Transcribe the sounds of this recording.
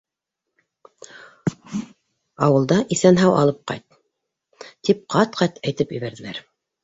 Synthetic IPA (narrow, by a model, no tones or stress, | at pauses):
ɑwɤ̆lˠd̪ɑʔiθænɦæwɑ̰lˠɤp̚qɑ̰jt̪ | t̪ip̚qʰɑt̪qʰɑt̪æjt̪ɘpjɘ̰̆βæɾðɘ̆læ̰ɾ